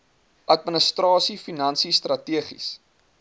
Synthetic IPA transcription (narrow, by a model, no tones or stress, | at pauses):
ʔɐt̚mənəstrɑːsifinɐnsistrɐtiəχḭs